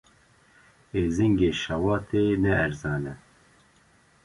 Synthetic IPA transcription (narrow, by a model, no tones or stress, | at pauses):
eːzɪŋɡeːʃawɑːt̪ʰeːnɛːɾzɑːnɛ